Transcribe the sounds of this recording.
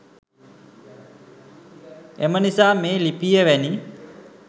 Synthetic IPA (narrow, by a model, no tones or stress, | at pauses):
emənisaːmeːlipijəʋæni